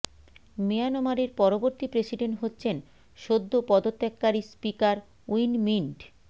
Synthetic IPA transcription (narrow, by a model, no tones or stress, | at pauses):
meanomaɾeɾpɔɾoboɾt̪ipɾesiɖeɳʈɦotːɕʰen | ʃod̪ʱːopɔd̪ot̪ːekːaɾispikaɾ | uijnmiɳʈ